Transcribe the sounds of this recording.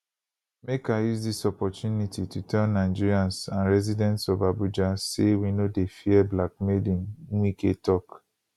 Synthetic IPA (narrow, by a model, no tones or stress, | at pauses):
mekajusdisɔpɔtjunititutʰɛ̃nːaɪd͡ʒiɹiãnsãnɹɛzidɛ̃ntsɔvabud͡ʒasewinodefiɛblak̚medĩnwiketɔk